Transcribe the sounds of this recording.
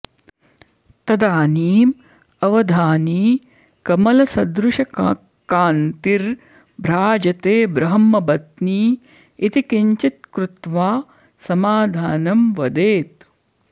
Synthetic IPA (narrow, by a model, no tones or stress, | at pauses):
t̪ɐd̪aːniːm | ɐʋɐd̪ʱaːniː | kɐmɐlɐsɐd̪ɾuʃɐkː | kaːnt̪iɾ | bʱɾaːd͡ʒɐt̪eːbɾɐɦɐmːɐbɐt̪niː | it̪ikiɲt͡ʃit̪̚kɾut̪ʋaː | sɐmaːd̪ʱaːnɐmʋɐd̪eːt̪